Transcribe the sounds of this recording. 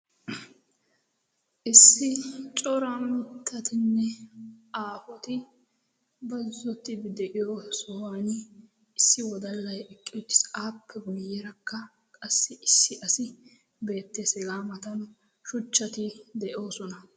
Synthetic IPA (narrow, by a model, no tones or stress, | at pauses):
ʔɪsːɪt͡ʃʼɔɾamɪt̪ʰːɐt̪ɪnːɛaːfɔt̪ɪ | bɐzːɔt̪ːɪbd̪ɛʔɪjɔsɔwaːn | ɪsːɪwɔd̪ɐlːɐjɛkʼːɪjɔt̪ːɪ̥saːpʰːɛɡɔjːɛɾɐkːɐ | kʼɐsːɪʔɪsːɪʔɐsɪ | be̞ːt̪ːesɛɡaːmɐt̪ɐn | ʃʊt͡ʃːɐt̪ɪd̪ɛʔo̞ːsɔnɐ